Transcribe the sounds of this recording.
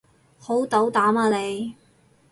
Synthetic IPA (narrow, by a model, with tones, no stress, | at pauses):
ho˨˥wt̪ɐ˨˧˥wt̪aː˨˥maː˧ne˨˧j